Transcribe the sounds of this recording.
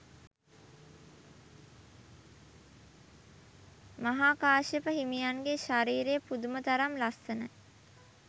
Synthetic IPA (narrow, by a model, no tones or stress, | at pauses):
maɦaːkaːʃəpəɦimijaŋɡeʃaɾiːɾejəpud̪umət̪aɾamlasənə